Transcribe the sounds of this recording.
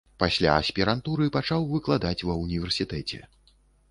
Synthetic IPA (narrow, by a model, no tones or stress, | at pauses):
pasʲlʲa̰ɐsʲpʲiɾant̪uɾɨpat͡ʂawvɨklˠad̪at͡sʲvɐwunʲivʲɛrsʲit̪ɛt͡sʲɛ̰